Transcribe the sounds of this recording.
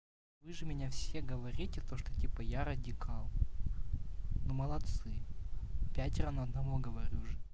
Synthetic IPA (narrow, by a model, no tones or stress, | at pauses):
vɨʐɨmʲɪnʲafsʲe̞ɡəvɐɾʲitʲɪt̪o̞ʂt̪otʲipəjaɾədʲɪkʰɑlˠ | noməlˠɐt̪sɨ | pʲætʲɾanɐɐd̪nɐvoɡəvɐɾʲuʐɨ